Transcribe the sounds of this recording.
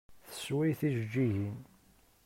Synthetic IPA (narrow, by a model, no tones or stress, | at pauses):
θə̥swijθiʒd͡ʒːiʝin